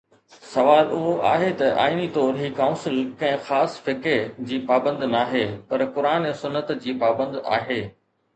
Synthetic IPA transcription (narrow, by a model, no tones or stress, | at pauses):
sɐʋaːlʊɦoʔa̰ːɦet̪ɐʔa̰ːinit̪ɔːɾɦiːkãːʊ̃nsɪlkɐ̃ɦɪ̃xaːsfɪked͡ʑiːpaːbə̃nd̪naːɦeːpɐɾkʊɾaːnesʊnːət̪d͡ʑiːpaːbə̃nd̪a̰ːɦeː